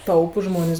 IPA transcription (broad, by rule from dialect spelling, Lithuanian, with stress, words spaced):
ˈtɐʊpʊs ˈʒmoːnʲeːs